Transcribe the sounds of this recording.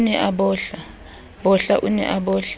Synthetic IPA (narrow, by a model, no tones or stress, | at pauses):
nɛʔaɓɔɬa | ɓɔɬaʔunɛ̰ʔaɓɔːɬḁ